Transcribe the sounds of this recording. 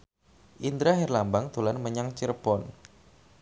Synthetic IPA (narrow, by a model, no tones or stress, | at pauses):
ʔind̪ɾaɦɛrlambaŋd̪̥o̤lanməɲaŋt͡ʃiɾpɔn